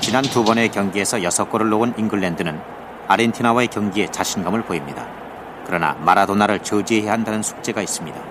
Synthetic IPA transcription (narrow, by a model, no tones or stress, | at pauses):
t͡ɕinantubʌne̞kjʌŋɡie̞sʰʌjʌsʰʌk͈ʌɾɯɭːoɡuninɡɯɭːendɯnɯn | aɾentʰinawae̞kjʌŋɡie̞t͡ɕaɕʰinɡʌmɯɭpoimɲida̰ | kɯɾʌna̰maɾadonaɾɯɭt͡ɕɯd͡ʑieɦeɦandanɯnsʰu̥t͡ɕ͈e̞ɡais͈ɯmɲida